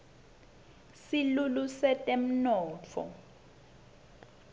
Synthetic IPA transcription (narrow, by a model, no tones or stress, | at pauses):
silulusɛtʼɛm̩nɔːt͡fʰɔ̰